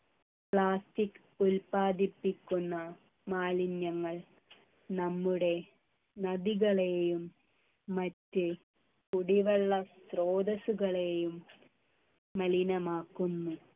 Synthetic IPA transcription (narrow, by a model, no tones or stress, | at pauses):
pɭaːstikː | ulpaːd̪ipːikʲːunːɐ | maːlinjɐŋːɐɭ | nɐmːuɽe̞ | nɐðiɣɐɭejumː | ɐtːɨ | kuɽiʋɐɭːɐsroːd̪ɐsuɣɐɭejum | ɐlinɐmaːkːunːu